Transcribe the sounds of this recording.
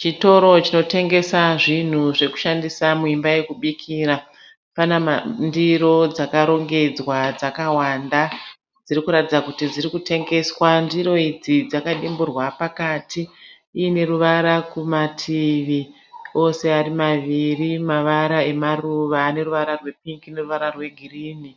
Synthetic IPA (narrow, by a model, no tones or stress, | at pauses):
t͡ʃito̞ɾo̞t͡ʃino̞te̞ŋɡe̞saʐin̤uʐe̞ku̥ʃandisamuimbaje̞kuɓikʰiːɾa | panandiɾo̞d͡zakaɾo̞ŋɡe̞d͡zwad͡zakawanda | d͡ziɾikuɾatid͡zakutid͡ziɾikute̞ŋɡe̞swandiɾo̞id͡zid͡zakaɗimburwapakaːtʰiː | ine̞ruʋaɾakumatʰiʋi | o̞se̞arimaʋirimaʋaɾae̞maruʋaːne̞ruʋaɾarwe̞p̚iŋkine̞ruʋaɾarwe̞ɡʱiriːni